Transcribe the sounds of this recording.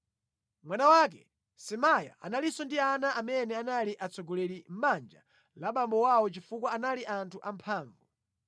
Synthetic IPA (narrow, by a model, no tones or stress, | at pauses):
mwanawak̬ɛ̰ | sɛmaja̰ʔa̰nalisɔndianaamɛnɛanaliʔat͡sɔɡɔlɛlim̩ɓand͡ʒa | laɓambɔwawɔt͡ʃifukwaːnaliʔantʰuʔampʰaːɱvu